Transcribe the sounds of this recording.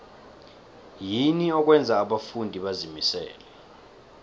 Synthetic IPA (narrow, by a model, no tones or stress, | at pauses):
jiniɔk̬wɛnd͡zʱaːɓafundʱiɓazimisɛ̰ːlɛ